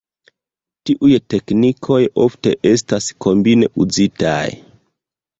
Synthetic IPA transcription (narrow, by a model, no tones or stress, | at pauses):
tiʔujte̞knikʰo̞jo̞fte̞̰ʔe̞s̬taskʰo̞mbine̞ʔud͡zita̰j